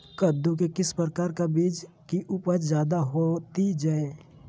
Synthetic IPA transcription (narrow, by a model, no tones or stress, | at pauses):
kəd̪ːuk̬ekɪspɾəkaːɾkabiːd͡ʒ | kiʔʊpət͡ʃzjaːd̪aɦot̪id͡ʒaːe